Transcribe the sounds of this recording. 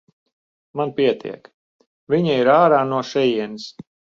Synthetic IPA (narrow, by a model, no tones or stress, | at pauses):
manpiɛt̪ʰḭɛk | viɲaiɾaːɾaːnuɔʃɛjiɛnis